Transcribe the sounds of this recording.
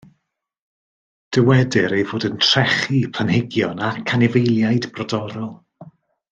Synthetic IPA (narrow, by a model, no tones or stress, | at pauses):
d̥əwɛdɪɾejvoːdəntʰr̥ɛχipʰl̥ənhɪɡjɔnakʰanɪvejlˠjajdb̥rɔdɔɾɔlˠ